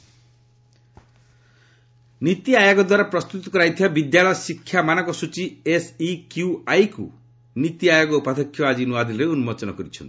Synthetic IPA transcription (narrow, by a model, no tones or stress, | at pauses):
nit̪iajɔɡɔd̪waɾapɾɔst̪ut̪ɔkɔɾajt̪ʰiabid̪jalɔjsikʰːjamanɔkɔsut͡ʃiesikjuajkṵ | nit̪iajɔɡɔupad̪ʱɔkʰːjɔad͡ʒiunuwad̪ilɾeunumɔt͡ʃɔnɔ̰kɔɾit͡ʃʰɔ̰nt̪ʰi̥